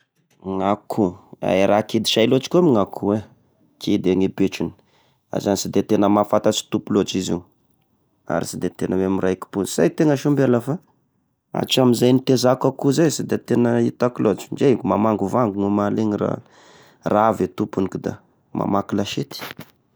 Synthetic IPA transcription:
ŋakʰua̰ɾakid̪i̥ʃajlot͡ʃi̥kamiŋakʰuwe | kʰid̪eŋibeʈ͡ʂuni̥ | a̰zanisid̪et̪enəmafat̪at͡si̥t̪upulot͡ʃizḭu | a̰ɾisid̪et̪enəweamiɾaiki̥punisa̰jt̪eŋəʃumbelafa | a̰t͡ʃamizajnit̪ezakakuzesid̪et̪enəit̪akilot͡ʃind͡ʒekumamaŋɡuvaŋɡuŋumaleŋira̰ | raavet̪upunikud̪a̰ | mʔa̰makilaʃet̪i̥

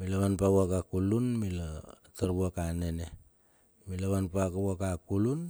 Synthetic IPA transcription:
milaβanpaβwakakulunmilotaɾbuakanene | milaβanpakawakakulun

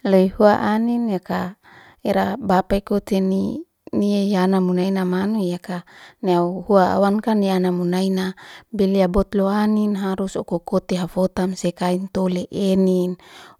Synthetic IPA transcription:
leihuaʔaninjaka | eɾabapaikot̪eni | niejanamunainamanujakaneauhuaa̰wankanianamunainabeliabɔt̪loaninɦaɾusokokot̪eɦafot̪amsekaint̪oleʔenin

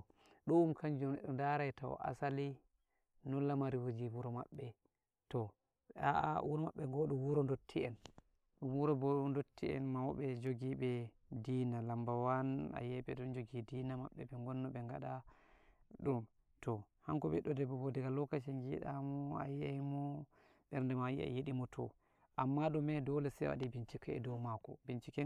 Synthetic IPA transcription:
ɗɔumkand͡ʒumɛɗɔndaɾajtawɔ̰ʔa̰sali | nɔlamaɾiwod͡ʒiwuɾɔma̰ɓːɛ | tɔ | aa̰wuɾɔmaɓːɛɡɔɗuwuɾɔndotʰːiɛn | ɗumwuɾɔbɔɗundotːiɛ̰nmawɓɛd͡ʒoɡiɓɛ | dinalambawana̰jɛbɛdɔnd͡ʒoɡidinama̰ɓːɛbɛŋɡɔnːɔɓɛŋɡaɗa | ɗum | tɔhaŋkɔɓɛ̰ɗɔdɛbɔbɔdɛɡalɔkat͡ʃɛŋɡiɗamɔa̰jejmɔ | ɓɛɾndɛmajḭa̰jeɗimɔtʰɔ̰ | ʔamːaɗɔmɛdɔlɛsɛwa̰dibint͡ʃikɛɛ̰dɔwmakɔ̰bint͡ʃikɛ

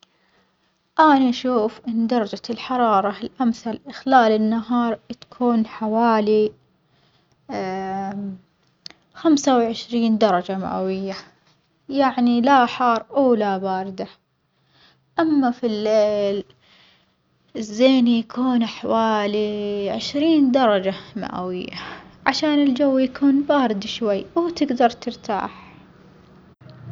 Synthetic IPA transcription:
ʔaːnaʔaʃuːfʔɪnːd̪ɑɾˤɑd͡ʒalħɑɾˤɑːɾˤɑɪlʔamθalʔɪxlaːlɪnːaɦɑːɾˤt̪ḁkʰuːnħawaːli | xamsawʕɪʃɾiːnd̪ɑɾˤɑd͡ʒama̰ʔa̰wɪjːa | jaʕnilaħɑːɾˤʔawlabaːɾɪd̪a | ʔamːafilːeːl | ɪzːeːnjakʰuːnʔaħawaːliʕɪʃɾiːnd̪ɑɾˤɑd͡ʒama̰ʔa̰wɪjːa̰ʕaʃaːnɪld͡ʒawːjakʰuːnbaːɾɪd̪ʃwajːwt̪ɪɡd̪ɑɾˤt̪ɪɾt̪ʰa̰ːħ

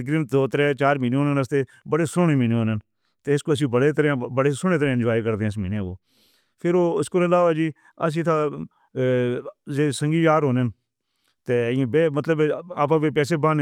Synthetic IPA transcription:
ɡɾɪmd̪oːt̪əɾɛːt͡ʃaːɾmiːneɦoːnenəst̪eː | bəɽeːsʊɳeːmiːneːɦoːnen | t̪eːɪskoːəsĩːbəɽeːt̪əɾãbəɽeːsʊɳeːt̪̬əɾẽːɪ̃nd͡ʒaːiːkəɾd̪eẽːɪsmiːnẽːkoː | pʰɪɾoːɪskoːɾɪlaːʋaːd͡ʒiː | əs̬ĩːt̪ʰaː | zeːsə̃ŋɡiːjaːɾɦoːnen | t̪ẽːbeːmət̪ləba̰ːp̬ãːʋeːpɛːseːbãːn

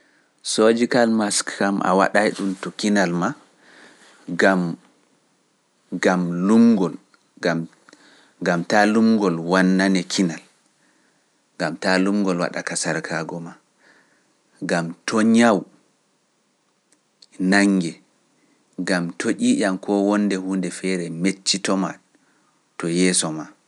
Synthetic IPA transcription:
sod͡ʒikalmaskːamʔa̰wa̰ɗajɗumtɔkinalma | ɡam | ɡamlumɡɔl | a | ɡamtalumɡɔlwanːanɛkʰinal | ɡamtalumɡɔlwa̰ɗa̰kasaɾkʰaːɡɔma | ɡamtʰɔɲaw | naŋːɡɛ | ɡamtʰoʔiːʔamkʰɔwɔndɛhuːndɛfɛɾɛmet͡ʃːitɔma̰ | tɔjɛːsɔma

